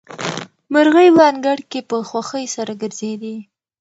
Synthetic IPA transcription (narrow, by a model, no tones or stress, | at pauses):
maɾɣəjlɑnɡaɽkepəxwaxəjsaɾaɡəɾz̥ed̪i